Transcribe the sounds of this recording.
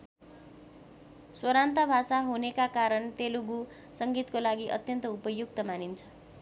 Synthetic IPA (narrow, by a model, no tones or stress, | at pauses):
swʌɾant̪ʌbʱasaɦunekakaɾʌnt̪eluɡu | sʌŋɡit̪kolaɡiʔʌ̰t̪jʌnt̪ʌupʌjuk̚t̪ʌmanint͡sʰʌ̥